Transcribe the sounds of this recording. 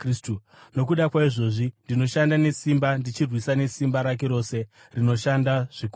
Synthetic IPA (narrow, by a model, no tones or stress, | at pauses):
stu | no̞k̬uɗakwaiʐo̞ːʐindino̞ʃandane̞simbandit͡ʃirwisane̞simbaɾak̬e̞ɾo̞ːse̞ | rino̞ʃandaʐ̥iku